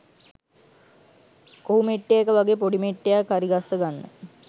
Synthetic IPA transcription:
koumeʈːejakəʋaɡepoɖimeʈːejakːaɾiɡasːəɡanːə̰

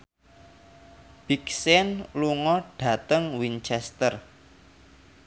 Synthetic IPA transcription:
b̥iksɛnluŋɔɖ̥ä̤t̪əŋwint͡ʃɛst̪ər

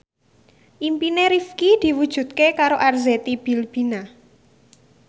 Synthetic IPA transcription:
ʔimpineɾifkid̪̥i̤wud̥ʒ̥ṳt̪̚kekaɾoʔarzet̪ib̥i̤lb̥i̤na

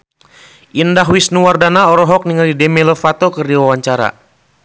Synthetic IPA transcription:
ʔindaɦwisnuwardanaɔɾɔɦɔk̚niŋalidɛmɛlɔfat̪okərdiwawaɲt͡ʃaɾa̰

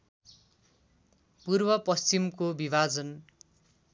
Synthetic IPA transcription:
purbʌpʌst͡simkobibad͡zʌn

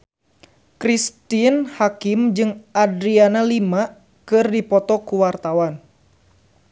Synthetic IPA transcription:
kɾist̪inhakimd͡ʒɨŋadɾianalima | kɨrdipɔt̪ɔkuwart̪awan

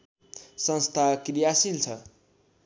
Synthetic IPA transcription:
sʌ̃nst̪ʰakrijasilt͡sʰʌ

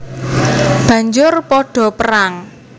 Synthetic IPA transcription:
b̥ä̤ɲd͡ʒʊrpɔɖ̥ɔ̤pəɾaŋ

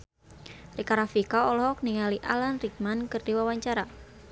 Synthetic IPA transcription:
rikaɾafikaɔlɔhɔk̚niŋaliʔalanrik̚mankɨrdiwawaɲt͡ʃaɾa

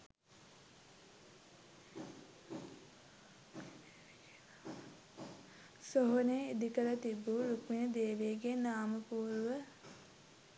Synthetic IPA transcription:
soɦoneed̪ikəɾət̪ibːuɾukmijəd̪eːʋeːɡenaːməpuːɾuʋə

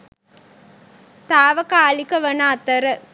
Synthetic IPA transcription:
t̪aːʋɐkaːlikɐʋɐnaːt̪ɐɾə

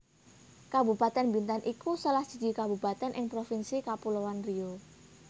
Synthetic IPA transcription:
kabupat̪ɛnbint̪anʔikusəlahd͡ʒ̥id͡ʒi̤kabupat̪ɛnʔɪŋpɾofinsikapulowanrio

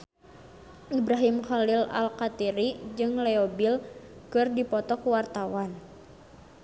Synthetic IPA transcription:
ʔibɾaɦimxalila̰lkat̪iɾid͡ʒɨŋlɛobilkɨrdipɔt̪ɔkuwart̪awan

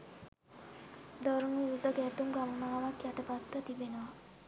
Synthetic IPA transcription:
d̪ɔɾuŋʋiɾud̪əɡæʈumɡaməmaːʋakjɛʈəpat̪ːət̪ibenəʋa

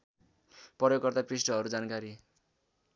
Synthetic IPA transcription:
pʌɾjokːʌrt̪aprisʈʌɦʌɾud͡zankaɾi

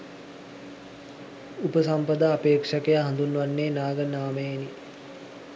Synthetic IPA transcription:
upəsampəd̪əapeːkʂakejaɦand̪unːʋanːeːnaːɡənaːməjeni

